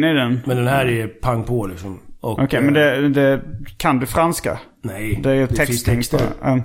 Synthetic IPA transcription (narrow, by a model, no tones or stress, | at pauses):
nɪd̪ɛnmɛnd̪ɛnhæːɾɛpʰaŋːpʰɔlɪksɔmɔʔɔkʰɛmmɛnd̪ɛd̪ɛkʰand̪ɵfɾanska̰ | nɛjd̪ɛæɾjɵt̪ʰɛkst̪ʰːɛŋst̪ɑː